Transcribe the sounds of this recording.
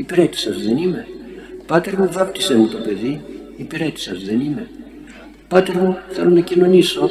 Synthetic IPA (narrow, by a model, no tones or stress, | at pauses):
ipeɾet̪i̥sɐzðe̞nime̞pɐt̪e̞ɾmuvɐp̚t̪isenut̪o̞pe̞ði | ipeɾet̪i̥sɐzðe̞nime̞ | pɐt̪e̞ɾmuθe̞lo̞nɐcino̞niso̞